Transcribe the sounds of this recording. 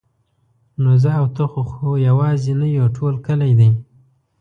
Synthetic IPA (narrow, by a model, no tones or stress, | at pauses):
nozaːwt̪əxoxojawɑzenajoʈʰolkəlajd̪aj